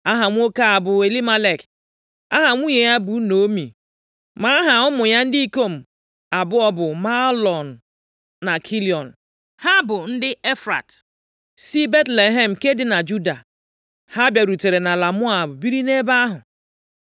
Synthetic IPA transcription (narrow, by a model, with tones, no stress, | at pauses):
a˦ɦa˨ŋʷ˦o˦ka˦a˨bʊ˨e˨li˦ma˦le˨k | a̰˦ɦa˨ŋʷu˦ɲe˨ja˦bu˨˦no˨˦mḭ˨ | ma˨˦a˦ɦa˨ʊ˦mʊ˨ja˦n̩˦dɪ˦i˦ko˦m̩˨ | a˨bʊ˦ɔ˦bʊ˨ma˦lɔ˨n̩ː˨ | a˨kʰi˦li˨ɔ˨n̩˨ | ha˦bʊ˨n̩˦dɪ˦e˦fɾa̰˨t | si˦be˦tle˨ɦe˦˨m̩˨ke˦dɪ˨na˨d͡ʒu˦da˨ | ha˦bja˨ɾu˨te˨ɾe˨na˨la˨mʊ˦a˨bʊ˨bi˦ɾi˦ne˦ba˦ɦʊ˨